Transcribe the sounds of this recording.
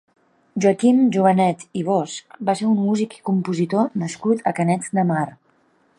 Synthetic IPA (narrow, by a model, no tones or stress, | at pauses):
ʒuəkimʒuβənɛt̪iβ̞ɔsk̚baseummuziki̥kumpuzit̪onəskut̪ʰəkənɛd͡zd̪əmar